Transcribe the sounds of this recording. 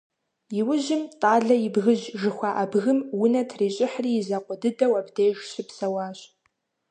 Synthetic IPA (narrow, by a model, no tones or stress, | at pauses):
jɪwʊʑɪmtʼaːɮɐjɪbɣɨʑʒɨxʷɑːʔɐbɣɨmwʊnɐtʰriːɕʼɪħriːjɪzɐqʷɔdɨdɐwɐbdejʒɕɪpsɐwɑːɕʼ